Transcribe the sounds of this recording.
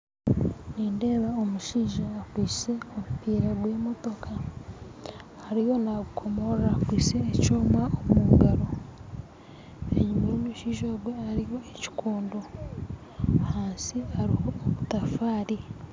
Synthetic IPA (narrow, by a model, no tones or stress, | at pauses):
niːnde̞ːβaomuʃiːʒaːkwiːsseomupiːɾaɡwe̞ːmo̞to̞kʰa | ɾijo̞naɡukʰo̞moɾɾakwiːseːcoːmwaomuɡaɾo̞ | ḛɲumimuʃiːʒoɡwe̞aɾijo̞eci̥koːndo̞ | haːnsiaɾihoːβutafaːɾi